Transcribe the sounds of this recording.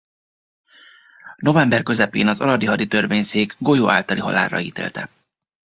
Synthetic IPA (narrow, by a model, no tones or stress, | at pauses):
no̞vɛmbɛrkø̞zɛpeːnɒzɒ̰ɾɒd̪iɦɒd̪it̪ø̞rveːɲseːɡɡo̞joːʔaːlt̪ɒliɦɒ̰la̰ːrɒ̰iːt̪ḛːlt̪ɛ